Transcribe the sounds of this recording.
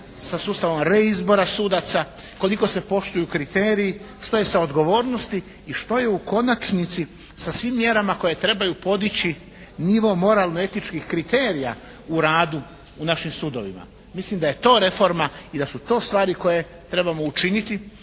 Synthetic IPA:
sasuːst̪aʋo̞mɾe̞izbo̞ɾasud̪at̪sa | ko̞liko̞se̞po̞ʃt̪ujukɾit̪eːɾiji | ʃt̪o̞je̞sao̞d̪ɡo̞ʋo̞ːɾno̞st̪iː | ʃt̪o̞jeuko̞nat͡ʃnit̪si | sasʋiːmːje̞ɾamako̞je̞t̪ɾe̞bajupo̞d̪it͡ɕi | niʋo̞mo̞ɾaːlˠnoe̞t̪it͡ʃkixkɾit̪e̞ːɾija̰ | uɾaːd̪u | unaʃimsuːd̪o̞̰ʋḭma̰ | mislimd̪aje̞t̪o̞ːɾe̞fo̞ɾmaid̪asut̪o̞ːst̪ʋaːɾiko̞je̞ | t̪ɾe̞bamo̞ut͡ʃinit̪i

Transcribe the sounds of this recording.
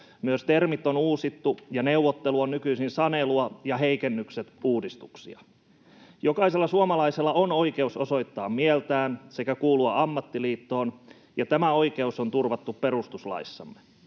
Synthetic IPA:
myøst̪ermit̪ːonuːsit̪ːujɑneuʋːot̪ːeluonnykyisinsɑneluɑjɑɦeikenːykset̪uːdist̪uksiɑ̰ | jokɑiselːɑsuomɑlɑiselːɑono̞ike̞usoso̞it̪ːɑːmmiɛlt̪æːnsekækuːluɑ̰ʔɑmːɑt̪ːiliːt̪ːo̞ːn | jɑt̪æmæo̞ike̞usont̪urʋɑt̪ːupperust̪uslɑ̰isːɑ̰mːe

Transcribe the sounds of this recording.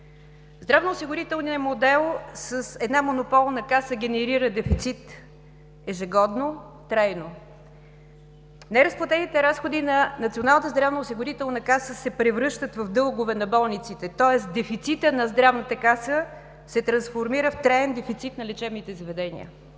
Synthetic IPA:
zd̪ɾavnoːsiɡʊɾit̪ɛlˠniəmod̪ɛlˠsəsɛd̪namonopɔlˠnɐkasəɡ̟ɛnɛɾiɾəd̪ɛfit̪sit̪ | ɛʒɛɡɔd̪no | t̪ɾajno | nɛɾəsplˠɐt̪ɛnit̪ɛɾasxod̪inɐnɐt̪sionalˠnət̪əzd̪ɾavnəʊsiɡʊɾit̪ɛlˠnəkasəsɛpɾɛvɾɤʃt̪ət̪vɐvd̪ɤlˠɡʊvɛnɐbɔlˠnit̪sit̪ɛt̪ɔɛsd̪ɛfit̪sit̪ənɐzd̪ɾavnət̪əkasə | sɛt̪ɾɐnsfoɾmiɾəft̪ɾajɛnd̪ɛfit̪sit̪nɐlʲɛt͡ʃɛbnit̪ɛzɐvɛd̪ɛnḭə̰

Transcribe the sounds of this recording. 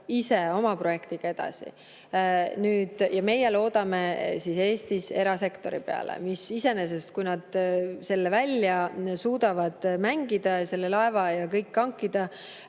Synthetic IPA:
ise̞o̞mɑpro̞je̞kt̪iɡ̥ɑe̞d̪̥ɑ̰sḭ | nyːd̪̥jɑme̞jːe̞lo̞ːd̪̥ɑme̞sise̞ːst̪ise̞ɾɑse̞kt̪o̞ɾḭpe̞ɑ̰lḛmisise̞nes̬e̞st̪̚kujnɑd̪̥se̞lːevælʲjɑsuːd̪̥ɑvɑd̪̥mæŋɡ̥id̪̥ɑse̞lːe̞lɑe̞vɑjɑkɤjkːɑŋkːid̪̥ɑ

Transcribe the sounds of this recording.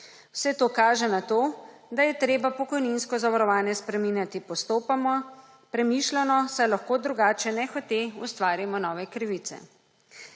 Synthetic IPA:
wsɛt̪oːkaːʒɛnat̪oː | d̪ajɛt̪ɾeːbapɔkɔjninskɔzaʋaɾɔʋaːnjɛspɾɛminjat̪ipɔst̪oːpamɔ | pɾɛmiːʃlanɔsajlaxkoːd̪ɾuɡaːt͡ʃɛnɛxɔt̪eust̪ʋaːɾimɔnɔːʋɛkɾiʋit̪sɛ̰

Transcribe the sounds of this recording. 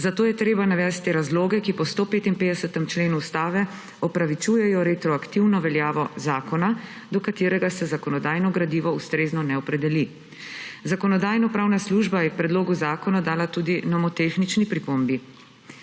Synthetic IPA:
zat̪oːjɛt̪ɾeːbanaʋɛːst̪ːeɾazloːɡɛkipɔst̪opeːt̪inpeːd̪ɛsət̪ɛmt͡ʃleːnuːst̪aːʋɛ | ɔpɾaʋit͡ʃuːjɛjɔɾet̪ɾɔakt̪iwnɔʋɛljaːʋɔzaːkɔna | d̪ɔkat̪eːɾɛɡasɛzakɔnɔd̪aːjnɔɡɾad̪iːʋɔust̪ɾeːznɔnɛɔpɾɛd̪ɛli | zakɔnɔd̪aːjnɔpɾaːwnasluʒbajɛpɾɛd̪loːɡuzaːkɔnad̪aːlat̪uːd̪inɔmɔt̪eːxnit͡ʃnipɾipombi

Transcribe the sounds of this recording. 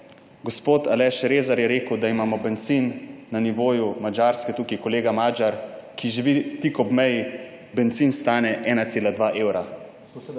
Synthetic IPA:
ɡospoːt̪alɛʃɾeːzaɾjɛɾeːkəwd̪aimaːmɔbɛnt̪sinːaniʋoːjumad͡ʒaɾskɛt̪uːkikɔleːɡamaːd͡ʒaɾkiʒiʋit̪ikɔbmɛji | bɛnt̪sinst̪aːnɛʔɛːnat̪seːlad̪ʋaʔeːwɾa

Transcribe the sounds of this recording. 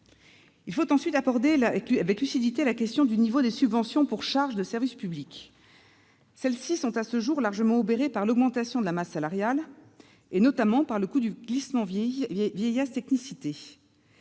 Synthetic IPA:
ilfot̪ɑ̃sɥit̪abɔʁd̪elavɛklysid̪it̪elakʲɛst̪jɔ̃d̪ynivod̪esybvɑ̃sjɔ̃puʁʃaʁʒd̪əsɛʁvispyblik | sɛlsisɔ̃t̪asəʒuʁlaʁʒəmɑ̃obeʁepaʁlɔɡmɑ̃t̪asjɔ̃d̪əlamasːalaʁjal | enɔt̪amɑ̃paʁləkud̪yɡlismɑ̃vjɛjast̪ɛknisit̪e

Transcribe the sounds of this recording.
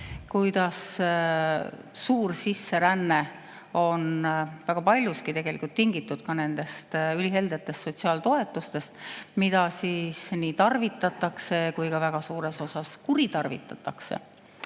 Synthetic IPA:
kujd̪̥ɑs | uːrsisːe̞ɾænːe | o̞nvæɡ̥ɑpɑlʲjuskit̪e̞ɡ̥e̞likult̪ːiŋɡit̪ːˑud̪̥kɑne̞nd̪̥e̞st̪ylʲiɦe̞ld̪et̪ːˑe̞st̪so̞t̪siɑːlt̪o̞e̞t̪ːˑust̪e̞st̪mid̪̥ɑsiːsniːt̪ɑrvit̪ːˑɑt̪ːˑɑkse̞kujkɑvæɡ̥ɑsuːɾe̞so̞sɑskuɾit̪ɑrvḭt̪ːˑɑt̪ːˑɑksḛ

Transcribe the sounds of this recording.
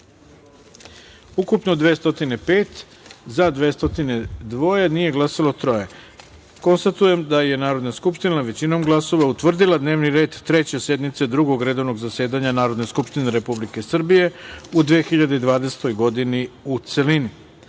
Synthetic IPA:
ukupno̞d̪ʋeːst̪o̞t̪ine̞pe̞ːt̪ | zad̪ʋeːst̪o̞t̪ine̞d̪ʋo̞jenije̞ɡlˠasalˠot̪ɾo̞je̞ | ko̞nst̪at̪uje̞md̪aje̞naːɾo̞d̪naskupʃt̪inaʋe̞t͡ɕino̞mɡlˠaso̞ʋaut̪ʋr̩d̪ilˠad̪ne̞ːʋniɾe̞ːd̪ːɾe̞t͡ɕe̞se̞d̪mit̪se̞d̪ɾuɡo̞ɡɾe̞d̪o̞ʋno̞ɡzaseːd̪aɲanaːɾo̞d̪ne̞skupʃt̪ineɾe̞publike̞sr̩bije̞ud̪ʋexiʎad̪eid̪ʋaːd̪ese̥t̪o̞jɡo̞d̪iniut̪se̞lini

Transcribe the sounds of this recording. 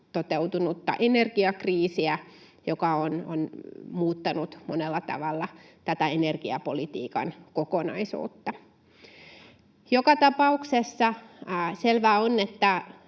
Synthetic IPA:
t̪ot̪eut̪unut̪ːɑ̰ʔenerɡ̥iɑkriːsiæjokɑono̰nmuːt̪ːɑnut̪monelːɑt̪ɑ̰ʋɑlːɑt̪æt̪æenerɡ̥iɑpolit̪ḭːkɑ̰nkokonɑ̰isṵːt̪ːɑ | jokɑt̪ɑpɑuksesːɑselʋæonːet̪ːæ

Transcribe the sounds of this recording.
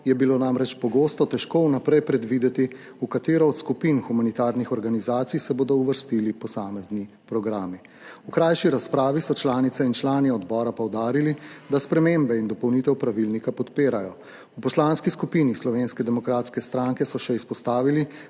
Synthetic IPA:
jɛbilonamɾɛt͡ʃpɔɡost̪ɔt̪ɛʃkounapɾɛjpɾɛd̪ʋiːd̪ɛt̪i | ukat̪eːɾɔːt̪skupinxumanit̪aːɾnixɔɾɡanizaːt̪sijsɛboːd̪ɔuʋəɾst̪ilipɔsaːmɛzni | pɾɔɡɾaːmi | ukɾajʃiɾaspɾaːʋisɔt͡ʃlaːnit̪sɛint͡ʃlaːnɛɔd̪bɔːɾapɔwd̪aːɾilid̪aspɾɛmembɛind̪ɔpɔwnit̪ɛwpɾaʋilnikapɔt̪peːɾajɔ | upɔslanskiskupinislɔʋenskɛd̪ɛmɔkɾaːt̪skɛst̪ɾaŋkɛsɔʃɛispɔst̪aːʋili

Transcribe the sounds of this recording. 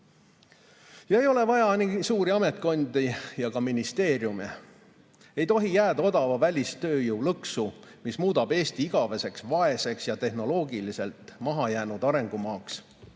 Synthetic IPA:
jɑe̞jo̞le̞vɑjɑnisuːɾiɑme̞t̪̚ˑko̞nd̪̥ijɑkɑminist̪e̞ːrjumḛ | e̞jt̪o̞ɦijæːd̪ɑo̞d̪ɑvɑvælʲist̪ø̞ːjuːlɤksu | mismuːd̪̥ɑb̥e̞ːst̪iiɡ̥ɑve̞se̞ksvɑe̞se̞ksjɑt̪e̞ɦno̞lo̞ːɡilise̞lt̪ˑmɑɦɑjæːnud̪̥ɑɾe̞ŋɡ̥umɑːks

